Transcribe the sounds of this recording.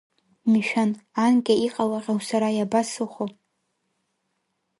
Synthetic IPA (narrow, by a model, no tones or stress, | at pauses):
miʃᶣanankʲʼaiqʼalaʁʲawsaɾajabasɨχʷo